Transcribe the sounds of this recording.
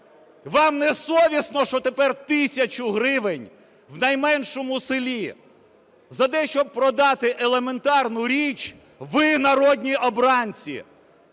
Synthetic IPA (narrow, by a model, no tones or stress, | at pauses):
ʋɑmnɛsɔʋʲisnɔʃt͡ʃɔt̪epɛrt̪ɪsʲɐt͡ʃʊɦɾɪʋɪnʲ | wnɐjmɛnʃɔmʊsɪlʲi | zɐt̪ɛʃt͡ʃɔb̚pɾɔd̪ɑt̪ɪʔelˠeme̞nt̪ɑrnʊɾʲit͡ʃʲ | ʋɪnɐɾɔdʲnʲiʔɔbɾɑnʲt͡sʲḭ